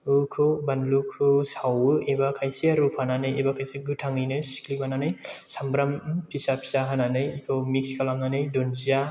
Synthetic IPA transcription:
ɯkʰɯbanlukʰɯsawɯʔebakʰajsiaɾupʰhananɯjebakʰajseɡɯʈʰaŋɯjnɯjsi̥klipʰananɯjsambɾampʰisapʰi̥saɦananɯjkʰɯmikskʰalamnanɯjdonzija

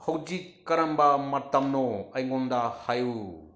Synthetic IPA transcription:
hɐwd͡ʒikːɐɾɐmbɐmɐtɐmnɔɐjŋɔndahaju

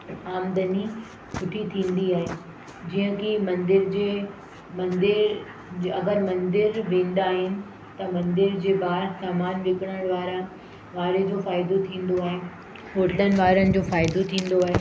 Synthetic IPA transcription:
aːmd̪əni | kʰʊʈʰit̪ʰĩːnd̪iaːɦeː | d͡ʑiɦə̃kimɐ̃nd̪ɪɾd͡ʑeː | mɐnd̪ɪɾ | ɐɡəɾmɐ̃nd̪ɪɾʋẽːnd̪aːɦɪnɪ̆ | t̪ɐmɐ̃nd̪ɪɾd͡ʑeːbaːɾsaːmaːnʋɪkɪɽ̃əɽ̃ʋaːɾa | ʋaːɾed͡ʑoːfaːɪd̪ot̪ʰĩːn̆d̪oaːɦe | ɦoːʈlənɪ̆ʋaːɾənɪ̆d͡ʑoːfaːɪd̪ot̪ʰĩːn̆d̪oaːɦeː

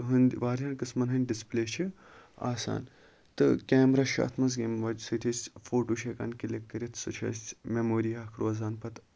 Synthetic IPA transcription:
ɦɨnd̪ʋaːɾʲɐnkɨsmɐnɦɐnʲɖispleːt͡ʃʰi | a̰ːsa̰ːn | t̪ɨkʲeːmɾaːʃa̰ːt̪ʰmɐz̬ɡemʋɐd͡ʒsɨt̪ʰesfoːʈuːʃeka̰ːnkilekːɐɾʲit̪ʰsɨt͡ʃʰɐ̰smemoːɾiɐːkʰɾoːzaːnpɐt̪

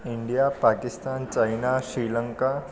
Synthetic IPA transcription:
iɳɖijapakist̪ant͡ɕajnaɕɾiləŋka

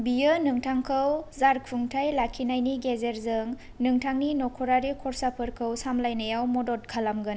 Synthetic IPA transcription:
bijɯnɯŋtʰaŋkʰɯwzaɾkʰuŋtʰajlakʰinajniɡezeɾzɯŋ | nɯŋtʰaŋninɔkʰɔɾaɾikʰɔɾsapʰɯɾkʰɯwsamlajnajawmɔdɔt̚kʰalamɡɯn

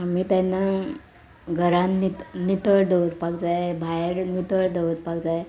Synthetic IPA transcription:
amiːt̪ana | ɡʱəɾãnːit̪nit̪əɭd̪ewɾpakd͡zajbʱajɾnit̪əɭd̪eʋɾpakd͡zaj

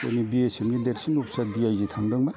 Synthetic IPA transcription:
a̰nibiesemɡideɾsinup̚sadiajzit̪ʰaŋdɯŋma

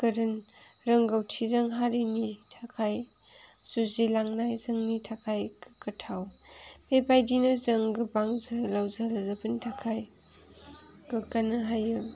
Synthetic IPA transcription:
kɐɾɯn | ɾɐŋɡawtʰizɐŋɦaɾenitʰakʰaj | z̥uzelaŋnajzɐŋnitʰakʰajkkɐtʰaw | pepajdinɯzɐŋɡɯbaŋzalawzalazabɯntʰakʰaj | ɡɯkanɯɦajɯ

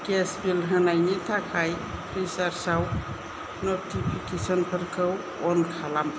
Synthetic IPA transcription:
kesbilɦənajnitʰakʰajpʰɾisaɾsaw | notipʰikesɔnpʰəɾkʰəw | ɔnkʰalam

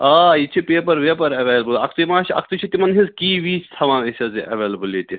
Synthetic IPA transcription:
aːit͡ʃʰipeːpɐɾʋeːpɐɾɐʋeːlɐbulɐ̰kʰt̪umaːʃɐ̰k̚ʰt̪ut͡ʃʰit̪ʲimɐnɦĩzkiːʋiːt͡ʃʰt̪ʰɐʋãːnisʲʰɐziʔɐ̰ʋeːlɐbulit̪ʲi

